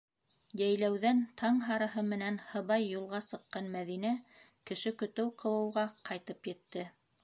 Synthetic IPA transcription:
jæjlæwðænt̪ʰɑɴɦɑɾɤ̆ɦɤmɘ̆nænhɤ̆βɑjːulˠʁɑsɤ̆qːɑnmæðinæ | kɘ̆ʃɘkɵ̆t̪ɘwqɤ̆wɤ̆wʁɑqʰɑjt̪ɤpjɘ̆t̪ːɘ

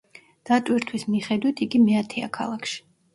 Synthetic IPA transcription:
d̪̥at̪ʼwiɾt̪ʰwismiχɛd̪wit̪ʰiɡimɛat̪ʰɛa̰kʰa̰lˠakʰʃi̥

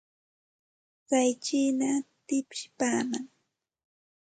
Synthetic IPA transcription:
ɢajt͡ʃiːnat̪ɪpʃɪ̥paːmaŋ

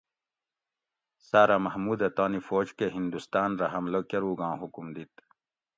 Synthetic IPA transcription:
saːɾamɐhmuːd̪ɐt̪aːnifoːd͡ʑkeɦind̪ust̪aːnɾɐɦɐmlokɐɾuːɡãːɦukumd̪it̪

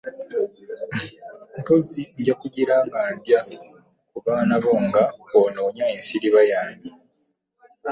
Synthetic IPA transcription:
koziɲɟakuɟiɾaːŋɡandja | kuβaːnaβo̞ŋɡaonoːɲaeːnsiɾiβajaːmdi

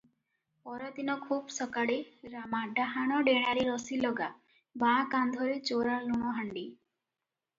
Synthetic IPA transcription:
pɔɾɔd̪inɔkʰuːbsɔkaɽeɾamaɖaɦaɽ̃ɔɖeɽ̃aɾiɾɔsilɔɡa | bãkand̪ʱɔɾet͡ʃoɾaluɽ̃ɔɦaɳɖi

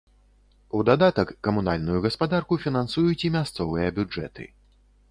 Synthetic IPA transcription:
ud̪ad̪at̪ɐkːɐmunalʲnujuɣɐspad̪arkufʲinansujut͡sʲimʲast̪sɔvɨjɐbʲud͡ʐɛ̰t̪ɨ̰

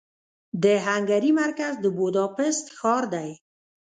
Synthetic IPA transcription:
d̪əɦaŋɡaɾimaɾkazd̪əbod̪ɑpɪst̪xɑɾd̪aj

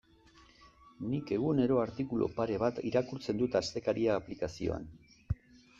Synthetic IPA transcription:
nike̞ɣ̞une̞ɾo̞aɾt̪ikulo̰paɾe̞β̞at̪ḭɾakuɾt͡se̞nd̪ut̪ast̪e̞kaɾiaːplikasio̞̰a̰n

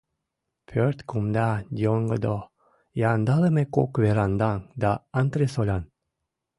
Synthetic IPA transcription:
pʰøɾt̪kumd̪ɑd̪ʲioŋɡɤd̪o | jɑnd̪ɑləmeko̰kveɾɑnd̪ɑŋd̪ɑɑnt̪ɾesolʲɑn

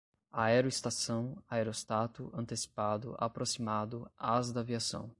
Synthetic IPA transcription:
aɛɾʊist̪asɐ̃w̃aɛɾost̪at̪ʊʔɐ̃nt̪esi̥pad̪ʊ̰ʔa̰pɾosimad̪ʊazd̪ɐviasɐ̰̃w̃

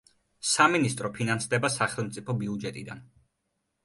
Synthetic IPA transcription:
saminist̪ʼɾɔpʰinansd̪ɛbasaχɛlˠmt̪sʼipʰɔbiud͡ʒɛt̪ʼid̪a̰n

